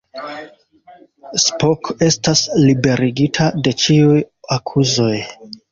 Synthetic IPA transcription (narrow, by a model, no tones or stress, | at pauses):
spoke̞staslibe̞ɾiɡitʰade̞t͡ʃiujakʰuzo̞j